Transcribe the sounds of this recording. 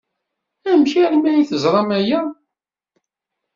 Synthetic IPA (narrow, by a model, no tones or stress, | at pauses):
æmçæɾmæiθəzˤɾˤɑmæjæ